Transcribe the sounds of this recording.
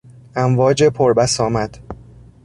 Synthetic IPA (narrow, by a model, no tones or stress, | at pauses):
ʔæmvɒːd͡ʒe̞pʰoɾbæsɒːmæd̪̥